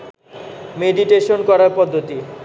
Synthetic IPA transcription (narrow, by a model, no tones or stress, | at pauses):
meɖiʈeʃonkɔɾaɾpɔd̪ʱːot̪i